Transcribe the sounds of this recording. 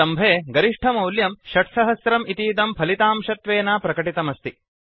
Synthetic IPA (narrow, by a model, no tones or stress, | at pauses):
ɐmbʱeːɡɐɾiʂʈʰɐmɐwljɐmʃɐʈsɐɦɐsɾɐmit̪iːd̪ɐmpʰɐlit̪aːmʃɐt̪ʋeːnaːpɾɐkɐʈit̪ɐmɐst̪i